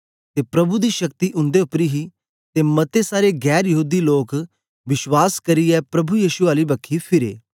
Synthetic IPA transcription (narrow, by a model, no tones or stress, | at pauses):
t̪epɾɐbud̪iʃɐkt̪iʔʊ̃nd̪eʊpɾiɦi | t̪emɐt̪esaːɾeɡɛːɾjɐɦuːd̪iloːk | ʋɪʃwaːskɐɾiɛpɾɐbujiːʃʊaːlibɐkʰːipʰɪɾḛː